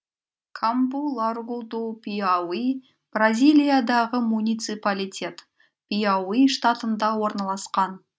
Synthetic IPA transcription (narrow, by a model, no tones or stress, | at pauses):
kʰambulˠarɡud̪upʲiawi | b̥razʲijlʲijad̪ɑʁəmunʲijt̪sɨpalʲit̪ʲe̞t̪ | pʲijawiʃt̪at̪ənd̪ɑwo̞ɾnɑlˠɑsqɑn